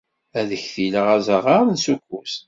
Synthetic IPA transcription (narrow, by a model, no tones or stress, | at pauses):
æðəçθiləʁæzəʁaɾnsukʷːus